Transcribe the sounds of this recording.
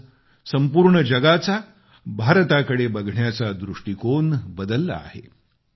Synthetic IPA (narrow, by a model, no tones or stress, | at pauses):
səmpuːɾɳəd͡ʑəɡat͡sa | bʱaɾt̪akəɽebəɡʱɳjat͡sad̪ɾuʂʈikonbəd̪əlːa̰ːɦḛ